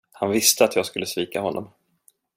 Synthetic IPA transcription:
hanvɪst̪əat̪ʰjɑːɡskɵlːəsviːkahɔnːɔ̰m

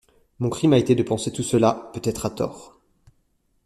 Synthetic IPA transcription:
mɔ̃kχimaet̪ed̪əpɑ̃set̪usəlapøt̪ɛt̪χat̪ɔ̰ːʁ

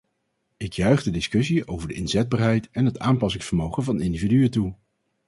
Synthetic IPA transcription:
ɪkjœɥχdədɪskɵs̬iowvəɹdəɪnzɛd̚baːɹɦɛjtɛnɦətaːmpɑsɪŋsfəɹmowχəvɑnɪndividyətu

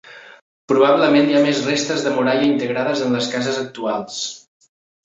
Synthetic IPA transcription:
pɾuβ̞aβləmeniamezrest̪əzðəmuɾaʎəint̪əɣɾaðəzənləskazəzək̚t̪ualˠs

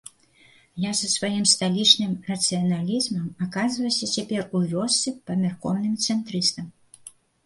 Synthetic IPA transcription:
jazɐsvajimst̪alʲit͡ʂnɨmrɐt̪sɨjɐnalʲizmɐmakazvɐjsʲɐt͡sʲapʲɛrujʲɔsʲːɨpɐmʲarkɔwnɨmt̪sɛnt̪ɾɨst̪ɐm

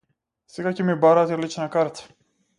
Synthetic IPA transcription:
sɛɡacɛmibaɾat̪ɛlit͡ʃnakaɾt̪ḁ

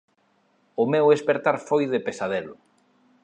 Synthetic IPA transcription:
ʊmewespeɾt̪aɾfojðepesaðelʊ

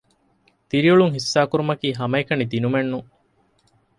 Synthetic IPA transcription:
t̪iɾiuɭuŋɦisːaːkuɾumɐkiːɦɐmɐekɐnid̪inumenːu

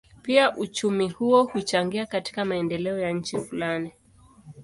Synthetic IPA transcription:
piaʔut͡ʃumihuɔhut͡ʃaŋɡiakati̥kamaɛndɛlɛɔjaɲ̩t͡ʃifulani

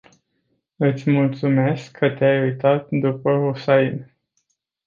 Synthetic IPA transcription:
ɨt̪sʲmult̪sume̞skʰːət̪eajujt̪at̪̚d̪upəɦusain

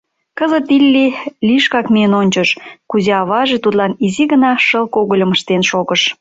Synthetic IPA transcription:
kəzət̪ilʲːilʲiʃkɑkmeənonʲt͡ɕəʃkuzeɑβɑʒet̪ut̪lɑniziɣənɑʃəlkoɣəlʲəmə̆ʃt̪enʃoɣəʃ

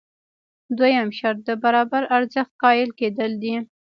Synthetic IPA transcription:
d̪wajamʃaɾt̪̚d̪əbaɾɑbaɾaɾzəxt̪̚qɑjɪlked̪əld̪i

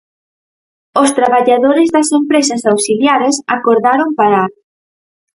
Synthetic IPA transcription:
ost̪ɾaβaʎaðoɾɪzðɐsempɾesɐsawsiljaɾesakoɾðaɾompaɾaɾ

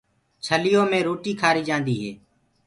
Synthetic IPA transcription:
t͡ʃʰəlɪjõːmẽːɾoːʈiːkʰaːɾiːd͡ʒãːnd̪iːɦeː

